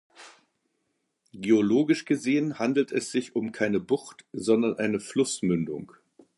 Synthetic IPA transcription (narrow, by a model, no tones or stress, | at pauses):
ɡ̥eːoloːɡɪʃɡ̥əzeːənhandl̩tʰɛsz̥ɪçʊmkʰaɪnəbʊxtz̥ɔndɐnʔaɪnəflʊsmʏndʊ̰ŋ